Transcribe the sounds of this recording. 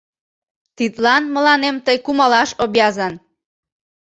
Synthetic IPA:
t̪it̪lɑnmə̆lɑnemt̪əjkumɑlɑʃobjɑzɑn

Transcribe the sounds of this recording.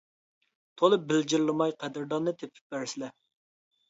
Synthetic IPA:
t̪ʰolˠɨbɪld͡ʒɪɾlˠɨmɑjqʰɛd̪ɪɾd̪ɑnːɨt̪ʰepʰɪ̥p̚bæɾsɪlɛ

